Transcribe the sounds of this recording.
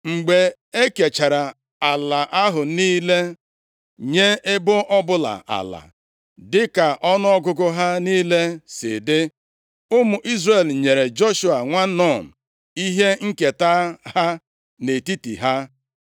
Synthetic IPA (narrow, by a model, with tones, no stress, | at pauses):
ŋ͡m̩˨ɡ͡be˨ | e˦ke˨t͡ʃa˨ɾa˨ | a˨la˨ʔa˦ɦʊ˨niː˦le˦ | ɲe˦ɪ˦bʊ˦ʔɔ˦bʊ˦la̰˨ʔa̰˨la̰˨ | dɪ˦ka˨ʔɔ˦nʊ˦ɔ˦ɡʊ˦ɡʊ˦ɦa˦niː˦le˦sɪ̰˨dɪ˦ | ʊ˦mʊ˨ʔi˦zre˨lɲe˨ɾe˨d͡ʒo˦ʃu˨a˨ŋʷa˦nɔ˦˨n̩˨ | i˦ɦe˦ŋ̩˦ke˨ta˦ha˦ | ne˨ti˦tḭ˨ɦa˦